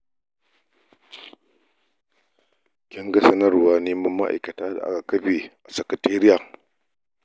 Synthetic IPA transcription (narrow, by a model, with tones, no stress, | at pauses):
kʲɪ˦ŋɡɐ˦sɐ˦nɐ˦rwaː˦neː˦mɐ˦mːa˦ʔa̰˨jkɐ˨taː˦da˨ʔa̰˦ka˨kɐ˦ɸeː˨ʔa˨sɐ˨kɐ˨teː˦ɾɪ˦jaː˨